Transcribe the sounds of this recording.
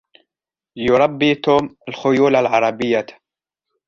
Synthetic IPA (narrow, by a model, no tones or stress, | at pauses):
jʊɾˤɑbːiːt̪oːmɪlxʊjuːlalʕɑɾˤɑbɪjːat̪